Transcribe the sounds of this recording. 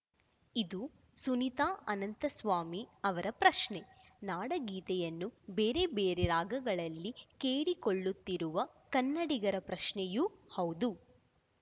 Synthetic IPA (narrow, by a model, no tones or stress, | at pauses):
id̪u | sunit̪aːʔɐnɐnt̪ɐsʋaːmiɐʋɐɾɐpɾɐʃɳe | naːɽɐɡiːt̪ɛjɐnːubeːɾe̞beːɾeɾaːɡɐɡɐɭɐlːikeːɽiko̞ɭːut̪ːiɾuʋɐ | kɐnːɐɽiɡɐɾɐpɾɐʃɳɛjuhɐwd̪u